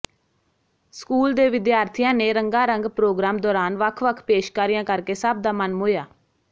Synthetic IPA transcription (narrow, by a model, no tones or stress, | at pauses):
skuːld̪eːʋɪd̪jaːɾt̪ʰijãːneːɾəŋɡãːɾəŋɡpɾoːɡɾaːmd̪ɔːɾaːnʋəkʰʋəkʰpeːʃkaːɾijãːkəɾkeːsəb̚d̪aːmənmɦoːjaː